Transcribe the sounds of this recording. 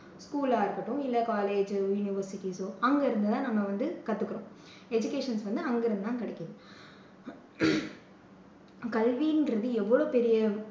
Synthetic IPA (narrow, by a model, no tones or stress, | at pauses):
skuːlaːɪɾɯkːɐʈːʊ̃ɪlːɐkaːleːd͡ʒjʊnɪʋɐɾsɪʈisoɐŋɡɐɪɾɯnd̪ɯt̪ãːnɐmːɐʋɐnd̪ɯkɐt̪ːɯkːɪɾõː | ɛd͡ʒʊkeːʂɐnsʋɐnd̪ɯɐŋɡɐɪɾɐnd̪ɯt̪ãːkɐɽɛkːɐðɯ | kɐlʋiːnɡɾɐðɯɛʋːɐɭoːpɛɾɪjɐ